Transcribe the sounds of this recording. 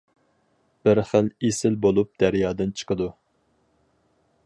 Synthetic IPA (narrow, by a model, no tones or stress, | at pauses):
b̥ɪɾχəlesɪlbolˠup̚d̪̥æɾjɑːd̪ɨnt͡ʃʰə̥qəd̪u